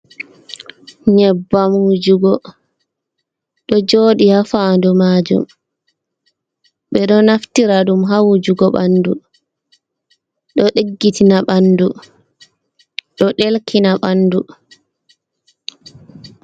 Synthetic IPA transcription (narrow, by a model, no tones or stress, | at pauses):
ɲɛbːamud͡ʒuɡɔ | ɗɔd͡ʒoːɗihafandumaːd͡ʒṵm | ɓɛɗɔnaftiɾaɗumɦawud͡ʒuɡɔɓandu | ɗɔɗeɡːitʰinaɓandu | ɗɔɗelkinaɓanːdu